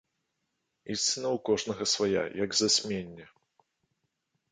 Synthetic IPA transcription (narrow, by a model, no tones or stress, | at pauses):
isʲt͡s̪ʲɨnɐwkɔʐnɐɣɐsvaja̰jɐɡzasʲmʲenʲːɛ